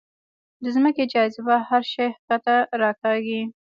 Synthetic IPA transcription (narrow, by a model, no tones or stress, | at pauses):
d̪əzməked͡ʒɑzɪbahaɾʃɑjht̪at̪aɾɑkɑɡi